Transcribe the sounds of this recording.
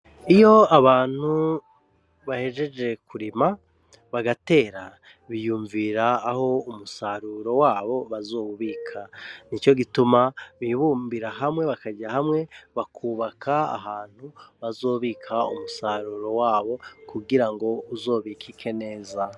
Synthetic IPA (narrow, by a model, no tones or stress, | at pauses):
ijo̞aβaːn̥hu | βahe̞ʒe̞d͡ʒe̞kʰuɾima | βaɡate̞ːɾa | βijuːɱviɾaːho̞umusaɾuɾo̞waːβo̞βazoːuβiːkʰanit͡ʃo̞ɡitumaβiβuːmbiɾaɦamŋe̞βakaɟaɦamŋe̞βakʰuːβakʰaa̰ɦaːn̥huβazo̞ːβiːkʰaṵmusaɾuːɾo̞waːβo̞kuɡiɾaŋɡo̞uzo̞ːβikʰikʰe̞ne̞ːza